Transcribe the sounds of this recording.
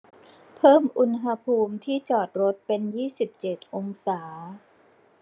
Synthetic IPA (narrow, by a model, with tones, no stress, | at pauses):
pʰɤː˥˩mʔu˧nɦa˧pʰuː˧mt̪ʰiː˥˩t͡ɕɔː˨˩t̪̚ɾo˦˥t̪̚pe˧njiː˥˩si˨˩p̚t͡ɕe˨˩t̪̚ʔo˧ŋsaː˩˦